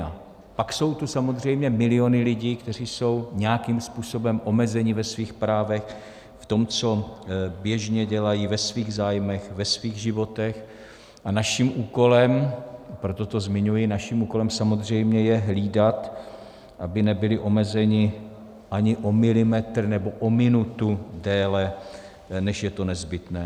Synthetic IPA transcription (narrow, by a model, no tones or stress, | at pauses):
a | pakso̞wt̪usamo̞zr̝ɛjmɲɛmɪlɪo̞nɪlɪɟiːkt̪ɛr̝iːso̞wɲɛjakimspuːso̞bɛmʔo̞mɛzɛɲɪvɛsviːxpɾaːvɛx | ft̪o̞mt͡so̞bjɛʒɲɛɟɛlajivɛsviːɣzaːjmɛxvɛsviːɣʒɪvo̞t̪ɛx | ʔanaʃimʔuːko̞lɛmpɾo̞t̪o̞t̪o̞zmɪɲujɪnaʃimuːko̞lɛmsamo̞zr̝ɛjmɲɛjɛɦliːdat̪ | ʔabɪnɛbɪlɪʔo̞mɛzɛɲɪ | ʔaɲɪʔo̞mɪlɪmɛt̪r̩nɛbo̞ʔomɪnut̪udɛːlɛ | nɛʃjɛt̪o̞nɛzbɪt̪nɛː